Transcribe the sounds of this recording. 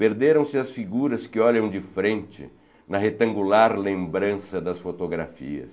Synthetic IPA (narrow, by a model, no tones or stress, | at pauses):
peɾd̪eɾɐ̃w̃sɪɐsfiɡuɾɐskɪɔʎɐ̃w̃d͡ʒɪfɾẽnt͡ʃɪ̰ | nɐɦet̪ɐ̃ŋɡulaɾlẽmbɾɐ̃sɐd̪ɐsfot̪oɡɾa̰fḭɐ̰s